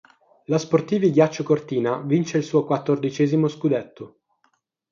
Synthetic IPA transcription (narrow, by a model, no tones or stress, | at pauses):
lasport̪iːviɡjat͡ʃːokort̪iːnavint͡ʃeilsuːokwat̪ːord̪it͡ʃɛːzimoskud̪et̪ʰːo